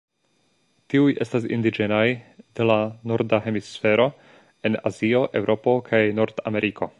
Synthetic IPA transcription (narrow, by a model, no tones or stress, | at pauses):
tiuje̞stas̬ḭndid͡ʒe̞najd̥e̞lanoɾdaɦe̞misfe̞ɾo̞ | e̞na̰zio̞ʔe̞wɾʔo̞po̞kʰajno̞ɾda̰me̞ɾʔiko̞